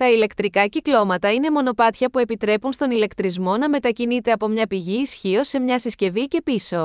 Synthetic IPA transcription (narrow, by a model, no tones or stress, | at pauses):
t̪ɐile̞kt̪ɾikɐciklo̞mɐt̪ɐine̞mo̞no̞pɐt̪çɐpue̞pit̪ɾe̞punst̪o̞nile̞kt̪ɾizmo̞nɐme̞t̪ɐcinit̪e̞ɐpo̞mɲɐpiʝiːsçio̞se̞mɲɐsisce̞vice̞piso̞